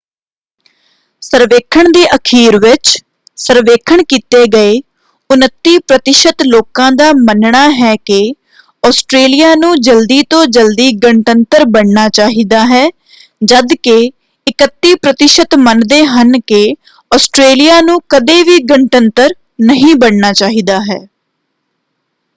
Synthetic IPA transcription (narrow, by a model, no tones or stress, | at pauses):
səɾʋeːkʰəɳd̪iːʔəkʰiːɾʋɪt͡ʃ | səɾʋeːkʰəɳkiːt̪eːɡəeː | ʊnət̪ːiːpɾət̪ɪʃət̪loːkãːd̪aːmənɳaːɦɛːkɪ | ɔːsʈɾeːlijaːnũːd͡ʒəld̪iːt̪õːd͡ʒəld̪iːɡəɳʈənt̪əɾbəɳɳaːt͡ʃaːɦiːd̪aːɦɛː | d͡ʒəd̪ke | ɪkət̪ːiːpɾət̪ɪʃət̪mənd̪eːɦənkɪ | ɔːsʈɾeːlijaːnũːkəd̪eːʋiːɡəɳʈənt̪əɾ | nəɦĩːbəɳnaːt͡ʃaːɦiːd̪aːɦɛː